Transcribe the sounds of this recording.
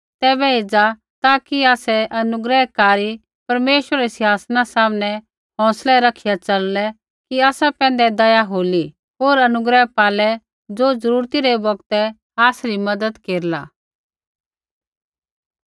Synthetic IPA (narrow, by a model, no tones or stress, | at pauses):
t̪ɛːbɛeːd͡za | t̪aːkiaːsɛʔɐnʊɡɾəɦkaːɾi | pɐɾmeːʃwəɾəɾɛsɪɦaːsnasaːmnɛ | ɦɔ̃ːslɛɾɐkʰɪjat͡ʃɐllɛ | kiaːsapɛ̃ːnd̪ɛd̪ɐjaɦoːli | ɦoːɾɐnʊɡɾəɦpaːlɛ | d͡zoːd͡zɐɾuːɾt̪iɾɛbɐɡt̪ɛ | aːsɾimɐd̪əd̪keːɾla̰ː